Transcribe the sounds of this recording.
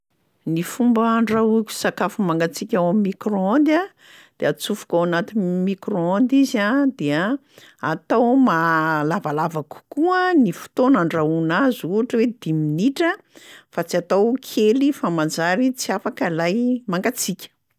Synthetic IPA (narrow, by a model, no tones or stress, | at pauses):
nifumbəɳɖ͡ʐaukʲu̥sakafumaŋɡat͡sikʲawamimikroond̪a | d̪̥eat͡sufu̥kʲawanat̪inmikroond̪izad̪eə | at̪awmalavalavaku̥kuənifu̥t̪onaɳɖ͡ʐaunazuaʈ͡ʂəwed̪̥iminiʈ͡ʂə | fat͡siat̪awkʰelifamand͡zaɾit͡siafakəlajmaŋɡat͡sikʲə̥